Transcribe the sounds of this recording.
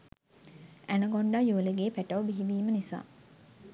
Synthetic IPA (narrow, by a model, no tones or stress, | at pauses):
ænəɡoɳɖajuʋələɡeːpæʈɐʋbiɦiʋiːmənisa̰ː